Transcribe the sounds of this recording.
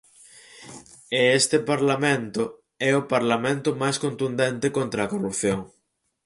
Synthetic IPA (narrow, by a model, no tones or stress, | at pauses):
eest̪epaɾlamẽnt̪ʊ | ɛopaɾlamẽnt̪ʊmajskõnt̪und̪ent̪ɪkont̪ɾaːkorupθjoŋ